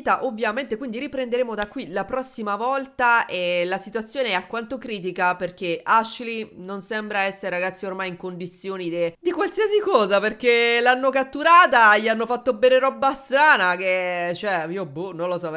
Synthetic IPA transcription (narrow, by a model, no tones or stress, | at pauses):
t̪aʔovːjament̪ekwind̪iɾipɾend̪eɾeːmod̪akːwilapɾɔsːimavɔlt̪aelasit̪uat̪sːjoːneɛakːwant̪okɾiːt̪̬ikaperk̟eaʃilinonsɛmbɾaɛsːeɾeɾaɡat̪sːiormajiŋkond̪it̪sːjoːnid̪ed̪ikwalsiːasikɔːzaperk̟elanːokat̪ːuɾaːt̪aʎianːofat̪ːobɛːneɾɔbːast̪ɾaːnaket͡ʃːoɛiːobunonlosɔ